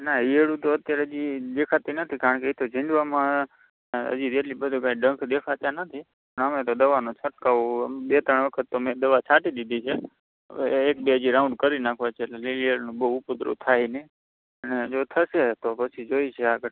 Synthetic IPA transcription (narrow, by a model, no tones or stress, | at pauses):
naieɽũt̪oət̪jaɾeəd͡ʒid̪ekʰat̪inət̪ʰikaɾəɳkeit̪ʰod͡ʒʱĩɳd͡ʒʋamã | ə̰d͡ʒid̪eʈlibəd̪ʱũkãĩɖəŋkʰd̪ekʰat̪janət̪ʰi | pəɳəmet̪od̪əʋanũt͡ʃʰəʈkaʋobet̪əɳʋəkʰət̪ːomẽd̪əʋat͡ʃʰaʈid̪id̪ʱit͡ʃʰe | ek̚beəd͡ʒiɾaũɳɖkəɾinakʰʋat͡ʃʰeelelelieɭnũbəɦːpʊt̪ɾṵt̪ʰajne | əned͡ʒot̪ʰəʃet̪opət͡ʃʰid͡ʒoit͡ʃʰeaɡə